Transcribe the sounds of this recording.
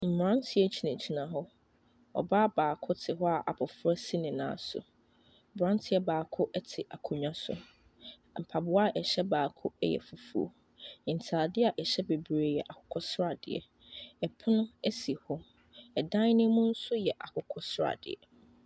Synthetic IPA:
m̩˨m˨ɾã˦ntʰɪ˦ɛ˦t͡ɕʰi˨nã˨t͡ɕʰi˨nã˨ɦɔ˦ | ɔ̰˨baː˦baː˨kʰʊ˦tʰɪ˨ɦɔ˦a˨ʔa˨pʰʊ˨fɾɛ˦si˦nɪ̃˨nã̰ː˨˦sʊ̰˨ | bɾã˦n˦tʰɪ˦ɛ˦baː˨kʰʊ˦ʔɛ˦tʰɪ˨ʔa˨kʰʊ̃˨ɲᶣã˦sʊ̰˨ | m̩˨pʰa˨bʊ˦a˦ʔɛ˨ɕɛ˦baː˨kʰʊ˦ɛ̰˦jɛ̰˨fu˨fu˨o̰˨ | n̩˨tʰaː˨dɪ˦a˨ʔɛ˨ɕɛ˦be˨bɾe˨jɛ˨ʔa˨kʰʊ̥˨kʰɔ˦sɾa˨dɪ̰˨ɛ̰˨ | ɛ˨pʰʊ˦nʊ̃˦ɛ˦si˨hɔ˦ | ɛ˨dã˦n˦nɪ̃˦mũ˦n̩˦sʊ˦jɛ˨ʔa˨kʰʊ˨kʰɔ˦sɾa̰˨dɪ̰˨ɛ̰˨

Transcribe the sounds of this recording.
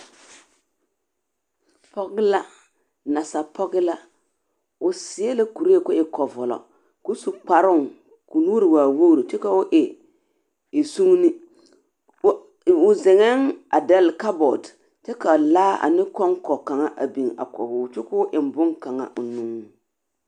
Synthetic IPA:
pɔ˦ɣɪ˦la˦ | na˨sa˨pʰɔ˦ɣɪ˦la˦ | ʊ˨sɪ˨e˦la˦ku˨ɾe˦e˦˨kʊ˦ʔɪ˨kɔ˨vɔ˨lɔ̰˨ | kʊ˦su˨k͡pa˨ɾʊ˦˨ŋ | kʊ˨nuː˦ɾɪ˨waː˨wo˦˨ɾi˨t͡ʃɛ˦ka˨ʊ˦ʔɪ˨ | ɪ˨su˦ŋ˦nɪ˦˨ | ʊ˨zɪ˨ŋɛ˦ŋa˨dɛ˦lka˦bɔ˨d | t͡ʃɛ˦ka˨laː˦ʔa̰˨nɪ˦kɔ˦ŋkɔ˨ka˨ŋa˦ʔa̰˨bi˨ŋa̰˨kɔ̰˨hʊː˨˦˨t͡ʃɪ˦kʊ˦ʔɪ˨m˨bʊ˦ŋka˨ŋa̰˦ʔʊ˨nu˦ŋ˨

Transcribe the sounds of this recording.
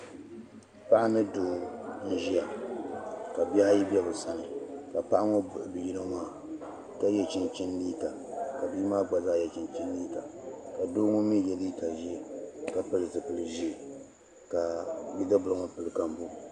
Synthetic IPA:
pa˦ʔa˦nɨ˦doː˨n̩˦ʒi˦ja˨ | ka˨ba˦a˦ji˦bɛ˦bɨ˨sa˦nɨ˨ka˨pa˦ʔa˦ŋo˦bʊ˨ʔbɨ˨ji˦lɨ˦ŋaː˦˨ | ka˦jɛ˦t͡ʃɪ˦nt͡ʃi˦nliː˦ka˨ | ka˨bi˦maː˦ɡ͡ba˨zaː˦˨jɛ˨t͡ʃɪ˨nt͡ʃi˦n˦liː˦ka˨ka˨doː˦ŋʊ˦mi˦jɛ˨li˦ka˨ʒi˦˨ka˨pɨ˦lɨ˨zɨ˨pɨ˨lɨ˨ʒi˦˨ | ka˨ji˦da˦bʊ˨lɨ˦ŋo˦pɨ˨lɨ˨ka˦m˦bu˦

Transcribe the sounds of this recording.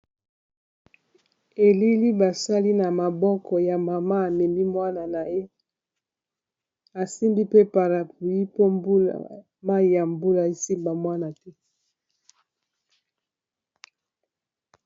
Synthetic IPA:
e˨li˦li˦ba˨sa˦li˦na˨ma˨bɔ˦kɔ˨ja˨ma˨ma˦a˨me˨mi˦mwa˦na˨na˨e˦ | a˨si˦mbi˦pe˦pa˨ɾa˨pu˨ji˦po˦mbu˦a̰˨ | ma˦i˨ja˨mbu˦la˨i˦si˦mba˨mwa˦na˨tɛ˦

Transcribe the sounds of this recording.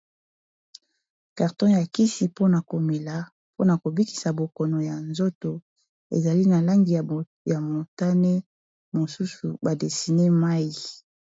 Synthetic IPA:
ka˨ʁtɔ̃˦ja˨ki˦si˨po˦na˨ko˨me˨la˨ | po˦na˨ko˨bi˦ki̥˨sa˨bo˨kɔ˨no˨ja˨nzo˦to˨ | ḛ˨za˨li˦na˨la˦ŋɡi˨ | ja˨mo˨ta˦ne˦ | mo˨su˦su˨ba˨de˨si˨ne˦ma˦ji˨

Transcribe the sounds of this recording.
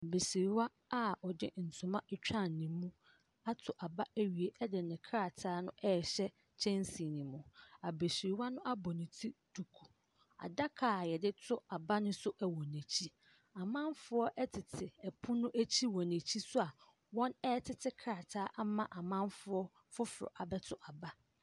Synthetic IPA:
a˨be˨si˨ɾi˨wa˦ | a˦ɔ˨dɪ˦n̩˨sʊ̃˨mã˦ʔɛ˦˨t͡ɕᶣã˦˨n̩˨nĩ˨˦mːũ˦ | a˦tʰʊ˨ʔa˨ba˦æ˦ɥi˨e˨ʔɛ˦dɪ˨nɪ̃˨kʰɾa˨tʰaː˦nʊ̰̃˦ʔɛ˦˨ɕɛ˦ | t͡ɕʰɛ̃˦n˦si˨nĩ˨mũ˨a˨be˨si˨i˨wa˦nʊ̃˦ʔa˦bɔ˨nɪ̃˨tʰi˦d̥u˨kʰu˨ | a̰˨da˦kʰaː˨jɛ˨dɪ˦tʰʊ˦a˨ba˦nʊ̃˦sʊ˦ʔɛ˨wɔ̃˨nɛ̃˨t͡ɕʰi˦ | a˨mã˦m˦fʊ˦ɔ˦ʔɛ˦tʰɪ˨tʰɪ˨ɛ˨pʰʊ̃˦nʊ̃˦ʔæ˦t͡ɕʰi˦wɔ̃˨næ̃˨t͡ɕʰi˦sʊ˦a˨ | wɔ̃˦nɛː˦tʰɪ˨tʰɪ˦kʰɾa˨tʰaː˦ʔa˦mã˦ʔa˨mã˦mfʊ˦ɔ˦ | fʊ˦fʊ˨ɾɔ̰˨ʔa˨bɛ˦tʰʊ˦ʔa˨ba˦

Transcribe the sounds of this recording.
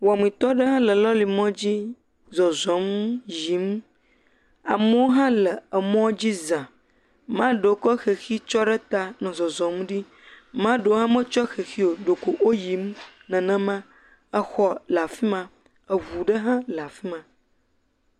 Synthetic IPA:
wa˨mĩ˨t̪ɔ˦ɖə˦ɦã˦lə˨lɔ˦li˨mɔ̃˦d͡ʑi˦ | zɔ˨zɔ̃˨m˦ji˨m | a˨mo˦wo˦ɦã˦lə˨ə˨mɔ̃˦d͡ʑi˦zã˨ | mã˦ɖə˨wo˦kɔ˦xe˨xi˦t͡ʃɔ˦ɖə˦t̪a˨nɛ̃˨zɔ˨zɔ̃˨m˦ɖi˦ | mã˦ɖə˨wo˦ɦã˦mə̃˦t͡ʃɔ˦xe˨xi˦o˨ɖo˨ko˨ʔwo˦ji˨˦mnə̃˨nə̃˨mə̃˦ | ə˨xɔ˦la˨fi˦mã˨ | ə˨vu˨ɖə˦ɦã˦la˨fi˦mã˨

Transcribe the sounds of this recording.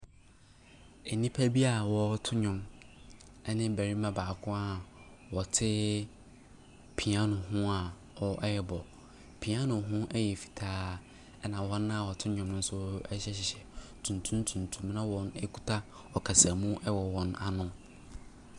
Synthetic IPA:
ɛ˨nĩ˦pʰæ˦bi˦a˨wɔ˦tʰʊ˦ɲʊ̃˨m | ɛ˦nɪ̃˦bæ˨ɾi˦mã˦baː˨kʰʊ̃˦a˦wɔ˨tʰɪ˦ | pʰĩ˨a˦nʊ̃˨ɦʊ̃˦a˨ | ɔ˨ʔɛ˦jɛ˨bɔ˨ | pʰĩ˨ã˦nʊ̃˨ɦʊ̃˦ʔɛ˦jɛ˨fi̥˨tʰaː˦ | ɛ˦nã˨wɔ̃˦nːã˦˨wɔ˨tʰɪ˦ɲʊ̃˨mnʊ̃˦n̩˦sʊ˦ɛ˦ɕɛ˦ɕɪ˨ɕɛ˨tʰũ˨n˨tʰũ˦n˦tʰũ˨ntʰũ˨˦mnã˦wɔ̃˦nɛ˦kʰu̥˦tʰa˦ | ɔ˨kʰa˨sa˨mũ˦ʔɛ˦wɔ˨wɔ̃˨na˨nʊ̃˦

